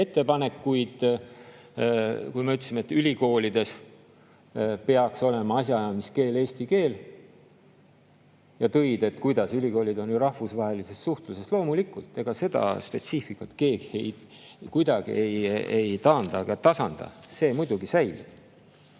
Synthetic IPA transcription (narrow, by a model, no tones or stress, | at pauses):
et̪ːe̞pɑne̞kːujd̪̥ | kujmeyt̪ːˑsimeet̪ːylʲiko̞ːlid̪̥e̞s | pe̞ɑkso̞le̞mɑɑsʲjɑjɑmiske̞ːle̞ːst̪ike̞ːl | jɑt̪ɤjd̪̥e̞t̪ːkujd̪̥ɑsylʲiko̞ːlid̪o̞njuɾɑhvusvɑɦe̞lise̞ssuht̪luse̞slo̞ːmulikːult̪ːˑe̞ɡ̥ɑse̞d̪̥ɑ̰spe̞t̪sifikːˑɑt̪ke̞ːɡ̥iej | kujd̪̥ɑɡ̥ḭe̞jejt̪ɑːnd̪̥ɑɡɑt̪ɑsɑnd̪̥ɑ̰se̞ːmujd̪̥uɡisæjlḭb̥̚